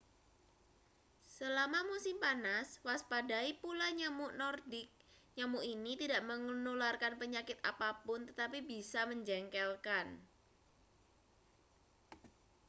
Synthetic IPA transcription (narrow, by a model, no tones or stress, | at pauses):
səlamamusɪmpanaswaspadaipulaɲamuʔnɔrdɪk̚ɲamuʔinit̪idaʔməŋnularkanpəɲakɪt̪a̰papʊnt̪ət̪apibisaməɲd͡ʒɛŋkɛlkan